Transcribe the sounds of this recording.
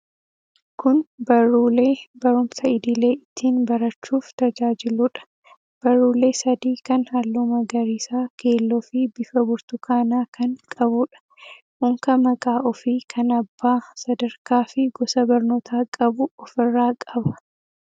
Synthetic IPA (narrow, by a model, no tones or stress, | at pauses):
kʊnbɐɾuːle̞ːbɐɾʊmsɐɪd̪ɪle̞ːʔɪt̪ʰːiːnbɐɾɐt͡ʃːuːft̪ɐd͡ʒaːd͡ʒɪlʊᶑɐ̥ | b̥ɐɾːuːle̞ːsɐd̪iːkɐnhɐlːumɐɡɐɾiːsaːke̞ːlːɔfɪbɪfɐbʊɾt̪ʊkaːnaːkɐŋkʼɐbʊːᶑɐ̥ | hʊŋkɐmɐkʼaːʔɔfiːkʰɐnɐbːaːsɐd̪ɐɾkaːfɪɡɔsɐbɐɾnoːt̪ʰaːkʼɐbʊɔfɪrːaːkʼɐbɐ̥